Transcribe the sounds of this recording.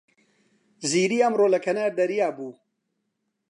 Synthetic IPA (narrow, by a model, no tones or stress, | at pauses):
ziːɾiːɐmɾoːlɐkʰɐnaːɾd̪ɐɾijaːbuː